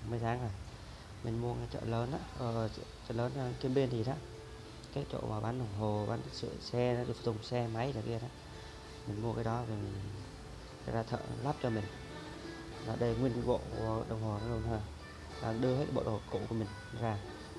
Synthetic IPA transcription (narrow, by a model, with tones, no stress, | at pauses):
mɨ˨˧əjt̪ʰaː˨˦ŋə˨˩j | mï˨˩ŋ̟mu˧əa˨˦jt͡ɕə̰ː˧˨ləː˨˦naː˧˦ʔəː˧˩˧t͡ɕə̰ː˧˨ləː˨˦n˧ki˧ənɓi˧ənzi˨˩ɗaː˨˦ | kaː˨˦jt͡ɕo̰˧˨maː˨˩ɓaː˨˦nɗə˨˩wŋ͡mɦo˨˩ɓaː˨˦n˦sɨ̰˧˨sɛ˧˨˦ɗɨ˧˨˩t̪ʊ˨˩ŋ͡msɛ˧ma˨˦jza˨˩kɗaː˨˦ | mi˨˩ŋ̟mu˧əkaː˨˦jɗɔ˨˦vi˨˩mʰ˨ | a̰˧˩jzaː˧t̪ʰə̰ː˧˨laː˦˥p̚t͡ɕɔ˧mï˨˩ŋ̟ | laː˨˩ɗə˧jŋwi˧ənvo̰˧˨˧əɗə˨˩wŋ͡mho˨˩a˨˦zo˧˩t̪ʰo˧˩j | laː˨˩ɗɨ˧əhe˦˥t̚ːɓo̰˧˨o˨˩˨kṵ˧˨ku˧˩əmï˨˩ŋ̟˧˨zaː˧˩